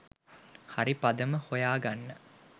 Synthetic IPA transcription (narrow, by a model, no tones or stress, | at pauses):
haɾipad̪əməhojaːɡanːə